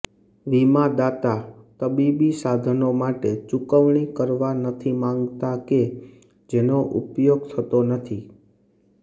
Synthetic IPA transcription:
ʋimad̪at̪ak̪əbibisad̪ʱənomaʈet͡ʃukəʋɳ̃ikəɾʋanət̪ʰimãŋɡt̪ake | d͡ʒenoʔupjoɡ̚t̪ʰət̪onət̪ʰi

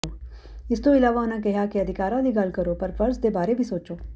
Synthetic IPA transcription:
o | ɪst̪oɪlaːʋaʊnãk̬ɛɦjakiɐd̪ʱɪkaːɾãliɡaːlkɐɾopɐɾfɐɾsd̪ebaːɾebʱisoːt͡ʃoː

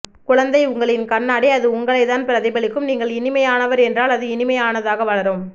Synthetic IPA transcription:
kʊɻɐnd̪ɐɪʊŋɡɐɭɪnkɐnːɐɽɛɐðɯʊŋɡɐɭɐɪt̪ːaːnpɪɾɐðɐɪbɐɭɪkːɯmniːŋɡɐɭɪnɪmɐjaːnɐʋɐɾɛndraːlɐðɯɪnɪmɐjaːnɐðaːɣɐʋɐɭɐɾoːm

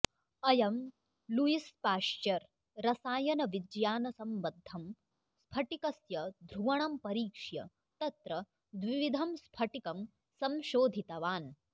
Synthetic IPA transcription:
ɐjɐm | lujispaːʃt͡ʃɐɾ | ɾɐsaːjɐnɐʋid͡ʒjaːnɐsɐmʋɐd̪ʱːɐm | spʰɐʈikɐsjɐd̪ʱɾuʋɐɳɐmpɐɾiːkʂjɐ̰ | t̪ɐt̪ɾɐ | d̪ʋiʋid̪ʱɐmspʰɐʈikɐm | sɐmʃoːd̪ʱit̪ɐʋaːn

